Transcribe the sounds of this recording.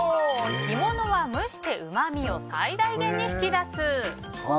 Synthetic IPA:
ɡʲimo̞no̞βamɯ̟ɕi̥t̪e̞ʔɯ̟mamʲio̞sa̰id̪aiɡẽ̞ɲ̟ːiɸɯ̟̥kʲid̪asɨ

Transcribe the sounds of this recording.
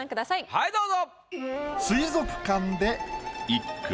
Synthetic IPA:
ãŋkɯ̟d̪asaihaid̪oːzo | sɨizo̞kɯ̟̥kãnd̪e̞ikː

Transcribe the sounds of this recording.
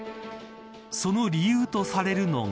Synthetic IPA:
so̞no̞ɾʲijɯːt̪o̞saɾe̞ɾɯ̟no̞̰ŋ

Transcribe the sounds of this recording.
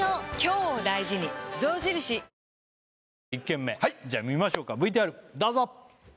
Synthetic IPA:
okʲo̞ːd̪aiʑiɲ̟izo̞ːʑiɾɯ̟ɕi | ikːẽ̞mːe̞haid͡ʑaːmʲimaɕo̞ːkabɯ̟it̪̬eaɾɯ̟d̪aːzo

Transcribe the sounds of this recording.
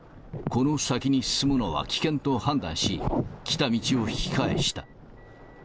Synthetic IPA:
ko̞no̞sakʲiɲ̟isɨ̥sɨmɯnoβa̰kʲi̥kẽ̞nt̪o̞hãnd̪ã̰ɰ̃ɕikʲi̥t̪amʲit͡ɕio̞çi̥kaḛɕi̥t̪a

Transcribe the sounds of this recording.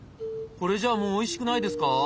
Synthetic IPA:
ko̞ɾe̞d͡ʑaːmo̞ːiɕi̥kɯ̟naid̪e̞sɨ̥ka

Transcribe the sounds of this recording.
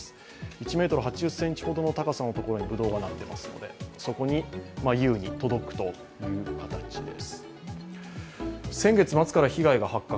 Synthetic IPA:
sɨ̥ | it͡ɕime̞ːt̪o̞ɾɯ̟ɦat͡ɕiʑɨsːẽ̞ɲt͡ɕi̥ho̞d̪o̞no̞t̪akasãnːot̪o̞ko̞ɾo̞ɲ̟ibɯ̟d̪o̞ːɡanat̪ːe̞ma̰sɨno̞̰d̪e̞̰so̞ko̞ɲ̟imajɯ̟ːɲ̟it̪o̞d̪o̞kɯ̟̥t̪o̞ | jɯ̟ːkat̪at͡ɕid̪e̞̰sɨ̥ | sẽ̞ŋɡe̞t͡sɨmat͡sɨ̥kaɾaçiɡaiɡahakːa

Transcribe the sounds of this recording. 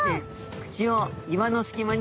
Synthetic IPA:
e | kɯ̟̥t͡ɕioimanosɨ̥kʲimaɲ̟

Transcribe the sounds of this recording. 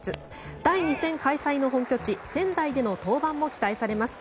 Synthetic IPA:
ɨ | d̪̥aiɲ̟isẽ̞ŋkaisaino̞ɦõ̞ŋkʲo̞t͡ɕisẽ̞nd̪aid̪e̞no̞t̪o̞ːbãmːo̞kʲi̥t̪aisaɾe̞masɨ̥

